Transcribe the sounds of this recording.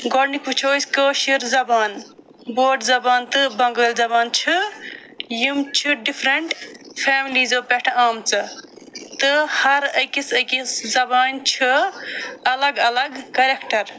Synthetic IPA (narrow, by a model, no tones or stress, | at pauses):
ɡɔɾnikut͡ʃʰojskəʃiɾzɐbaːn | boːɖzɐbaːnt̪ɨbɐŋɡəːlzɐbaːnt͡ʃʰi | jimt͡ʃʰiɖipʰɾeɳʈpʰeːmilizopeʈʰaːmt͡sɨ | t̪ɨhɐɾəjkisəkiszɐbaːnt͡ʃʰi | ɐlɐɡɐlɐɡkɐɾekʈɐɾ